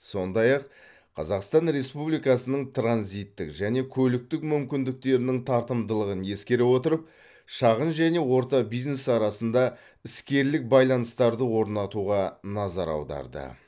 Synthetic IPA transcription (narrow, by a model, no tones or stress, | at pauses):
so̞nd̪ɑjɑq | qʰɑ̰zɑqst̪ɑnɾe̞spublijkɑsənəɴt̪ʰranzijt̪ːɪkʒæne̞kʲʰɵlɪk̚t̪ɪkmʏmkʲɪnd̪ɪk̚t̪e̞ɾɪnɪŋt̪ʰɑɾt̪əmd̪əlˠəʁənje̞skʲe̞ɾewo̞t̪əɾəp̚ | ʃɑʁənʒæne̞wo̞ɾt̪ɑbijzne̞sɑɾɑsənd̪ɑ | ɪskʲe̞ɾlɪk̚bɑjlˠɑnəst̪ɑɾd̪əwo̞ɾnɑt̪uʁɑnɑzɑɾɑ̰wd̪ɑ̰ɾd̪ə̰